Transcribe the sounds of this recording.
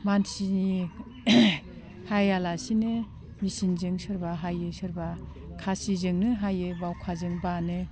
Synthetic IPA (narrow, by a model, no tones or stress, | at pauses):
mansini | hajalasinɯ | misinzɯŋsɯɾbaɦajɯsɯɾba | kʰasizɯŋnɯɦajɯbawkʰazɯŋbanɯ